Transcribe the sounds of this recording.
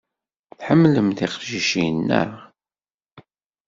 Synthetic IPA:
θħəmːləmθiqʒiʃinːæ̰

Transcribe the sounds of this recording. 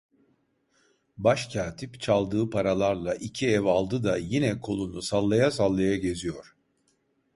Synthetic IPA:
baʃcʰaːt̪ʰipt͡ʃʰalˠd̪ɯːpʰaɾalˠaɾlˠaʔicʰiɛvalˠd̪ɯd̪ajinɛkʰo̞lˠunusalˠːajasalˠːajaɟe̞zijoɾ̥

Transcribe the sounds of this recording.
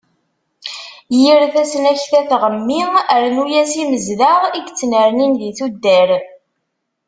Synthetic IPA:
jiɾθæsənæçθæθʁəmːiəɾnujæsiməzðaʁiɡt͡sːnəɾninðiθud̪ːæɾ

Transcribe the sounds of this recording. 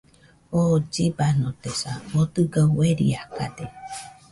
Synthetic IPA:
od͡ʒibanot̪esaot̪ɯɡaweɾḭaka̰d̪e

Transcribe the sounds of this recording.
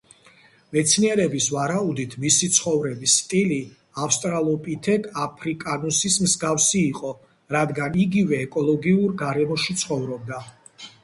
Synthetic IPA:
mɛt̪sʰniɛɾɛbisvaɾaud̪it̪ʰmisit̪sʰχɔvɾɛbisːt̪ʼili | afst̪ʼɾalˠɔpʼit̪ʰɛd̪ʰapʰɾikʼanusismzɡafsiːqʼɔ | ɾad̪ɡaniɡivɛːkʼɔlˠɔɡiuɾɡaɾɛmɔʃit̪sʰχɔvɾɔb̚d̪a

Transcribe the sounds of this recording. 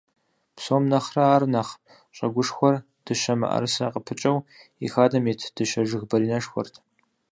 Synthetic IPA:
psoːmnɐχrɐaːrnɐχ | ɕʼɐɡʷʊʂxʷɔr | d̥ɨʃɐmɨ̰ʔɐ̰ɾsɐqəpʰɨt͡ʃʼɐwḭxaːdɐmeːtʰd̥ɨʃɐʒɪɣbɐɾiːnɐʂxʷɔ̰rtʰ

